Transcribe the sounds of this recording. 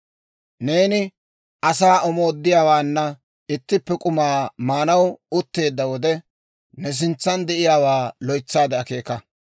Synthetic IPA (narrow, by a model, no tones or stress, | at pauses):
ne̞ːnɪ | ʔɐsaːʔɔmoːd̪ːɪjaːwaːnːɐ | ɪt̪ːɪpːɛkʼʊmaːmaːnɐwʊt̪ːe̞ːd̪ːɐwɔd̪ɛ | nɛs̬ɪnt͡sːɐnd̪ɛʔɪjaːwaːlɔjt͡sːaːd̪ɛɐke̞ːkɐ